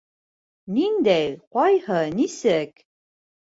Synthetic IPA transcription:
nind̪æjqɒjhɤnisɘk

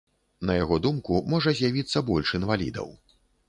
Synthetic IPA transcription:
nɐjaɣɔd̪umkumɔʐɐzʲjavʲit̪sːɐbɔlʲʂinvalʲḭd̪ɐ̰w

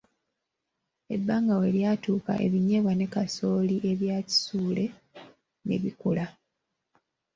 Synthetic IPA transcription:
e̞bːaːŋɡawe̞ljaːtuːka̰ʔe̞̰βiɲeβwane̞kaso̞ːliʔe̞βjaːci̥suːle̞ | nḛβikula

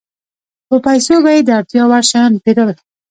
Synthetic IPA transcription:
pəpajsobajed̪əaɾt̪jɑwaɾʃɑnpeɾəl

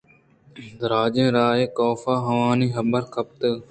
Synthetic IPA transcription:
d̪ɾaːd͡ʒẽːɾaːeːkoːfaːɦəʋaːniːɦəbəɾkʰəp̚t̪ə

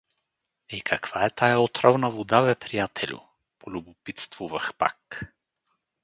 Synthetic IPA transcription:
ikʰɐkv̥aɛt̪ajaot̪ɾɔvnəvod̪avɛpɾijat̪ʰɛlʲʊ̰ | polʲʊbʊpit̪st̪vuvəxpa̰k

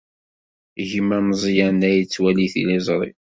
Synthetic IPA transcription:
ʝəmæmzˤjænæjt͡sːwæliθḭlizˤɾˤḭ

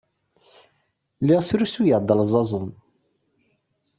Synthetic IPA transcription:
liʁsɾusujəʕd̪ˤəlzˤɑzˤən

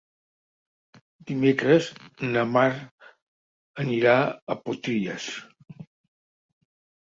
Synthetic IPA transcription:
d̪̥imekɾəznəmaɾ | əniɾaəpot̪iʎəs

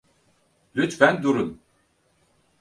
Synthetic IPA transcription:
lyt̪fænd̪uɾun

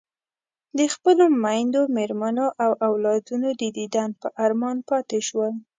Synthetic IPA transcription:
d̪əxpəlomajnd̪omeɾmanoʔawʔawlɑd̪unod̪əd̪id̪anpəʔaɾmɑnpɑt̪eʃwəl

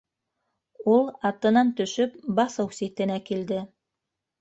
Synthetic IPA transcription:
ulˠɑt̪ɤ̆nɑnt̪ɵ̆ʃɵp̚bɑsɤwsit̪ɘ̆nækild̪ɘ

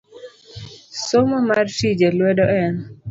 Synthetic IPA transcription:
somɔmartid͡ʒelwɛdɔʔɛn

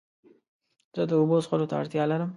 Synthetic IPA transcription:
z̥əd̪əobosxolot̪aa̰ɽt̪jɑlaɾəm

